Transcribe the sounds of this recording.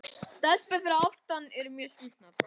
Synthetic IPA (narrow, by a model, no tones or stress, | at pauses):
st̪ɛlt̪pɛθɪɾaɔft̪anɛɾmjœːsint̪na